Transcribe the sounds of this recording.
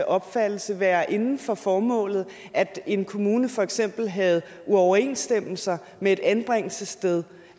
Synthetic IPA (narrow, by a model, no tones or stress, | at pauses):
ʔɒ̽b̥fæd̥l̩səʋæːɐʔe̝nn̩fɒ̽fɒːmɔ̰̽ːlð̞̩ˠ | ʔæd̥e̝nkʰo̝muːnəfɒ̽eɡ̥sem̰b̥l̩ɦæð̞̩ˠ | uɒʊɐe̝̰ːnsd̥em̰l̩sɐ | mee̝ɾ̥ænb̥ʁaŋ̰l̩səsd̥eð̞ˠ